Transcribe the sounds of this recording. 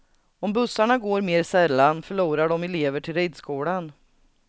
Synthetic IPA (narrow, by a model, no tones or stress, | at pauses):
ɔmbɵsːaɳaɡoːɾmeːɾsɛlːanfœɭuːɾaɖɔmɛleːvəʈʰɪlɾɛjd̪skuːɽan